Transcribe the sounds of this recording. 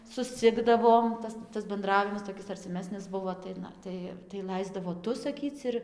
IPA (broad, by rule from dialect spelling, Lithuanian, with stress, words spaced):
sʊsʲˈt͡sʲɪɡdɐʋoːm ˈtɐs tɐs bʲɛnˈdrɑːʋʲɪmɐs toːˈkʲɪs ɐrʲt͡sʲɪˈmʲæːsʲnʲɪs ˈbʊʋoː tɐɪ ˈnɐ ˈtɐɪ tɐɪ ˈlˠɐɪzdɐʋoː ˈtʊ sɐˈkʲiːt͡s ɪr